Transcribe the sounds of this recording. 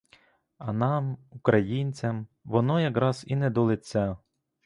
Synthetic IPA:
ɐnɑmukɾɐjinʲt͡sʲɐmʋɔnɔjɐkɾɑz̥inɛd̪ɔlˠɪt͡sʲːa

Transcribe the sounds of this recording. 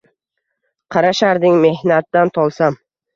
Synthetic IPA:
qʰɑɾaʃaɾd̪ɪŋme̞hnat̪ːant̪ʰɒlˠsam

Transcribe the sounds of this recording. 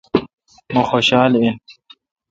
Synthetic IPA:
moxoɕɑːlin

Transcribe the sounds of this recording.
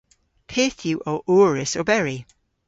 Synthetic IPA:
pʰeːθjuʔoʔoːɹɪsobɛɹi

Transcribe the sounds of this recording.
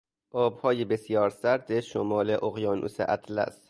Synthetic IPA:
ʔɒːb̥hɒːjebesjɒːɾsæɾd̪eʃomɒːleʔoɣjɒːnʔṵːsḛʔæt̪ʰlæ̰st̪

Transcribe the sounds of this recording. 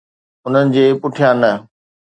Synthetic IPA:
ʊn̤ənɪ̆d͡ʑeːpʊʈʰijãnɐ

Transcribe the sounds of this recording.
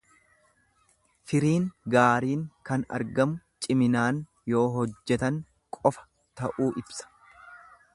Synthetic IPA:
fɪɾiːŋɡaːɾiːŋkɐnɐ̰ɾɡɐmʊ | t͡ʃʼɪmɪnaːn | jo̞ːɦɔd͡ʒːɛt̪ɐŋ | kʼɔfɐ̥ | t̪ɐʔuːʔɪbsɐ̥

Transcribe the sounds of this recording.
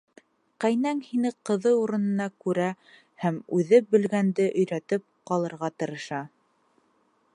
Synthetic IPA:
qæjnæŋhinɘqɤ̆ðɤuɾɤ̆nɤ̆nɑkʉɾæ | hæmʉðɘbɘ̆lɡænd̪ɘʔɵ̆jɾæt̪ɘp̚qɑlˠɤ̆ɾʁɑt̪ɤ̆ɾɤ̆ʃɑ

